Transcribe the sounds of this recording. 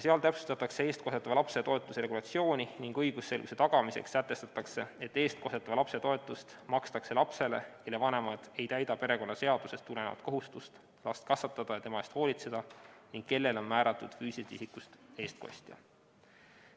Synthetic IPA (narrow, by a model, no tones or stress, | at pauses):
jseɑlt̪æpsu̥st̪ɑt̪ːˑɑkse̞e̞ːst̪̚ko̞set̪ːˑɑvɑlɑpse̞t̪o̞e̞t̪ːˑuseɾe̞ɡulɑt̪sio̞ːnʲiniŋɡ̥ɤjɡ̥usːe̞lɡuse̞t̪ɑɡ̥ɑmiseksːæt̪ːˑe̞st̪ɑt̪ːˑɑkse̞e̞t̪ːe̞ːst̪̚ko̞set̪ːˑɑvɑlɑpse̞t̪o̞et̪ːˑust̪mɑkst̪ɑkse̞lɑpse̞le̞̰ke̞lːe̞vɑne̞mɑd̪̥e̞jt̪æjd̪ɑpe̞ɾe̞ko̞nːɑse̞ɑd̪̥use̞st̪ːule̞nevɑ̰t̪̚ko̞ɦust̪ust̪ | lɑst̪̚kɑsvɑt̪ːˑɑd̪̥ɑjɑt̪e̞mɑest̪ho̞ːlit̪se̞d̪̥ɑniŋɡ̥̚ke̞lːe̞lo̞nmæːɾɑt̪ːˑud̪̥fyːsist̪isikust̪e̞ːst̪̚ko̞̰sʲt̪jɑ̰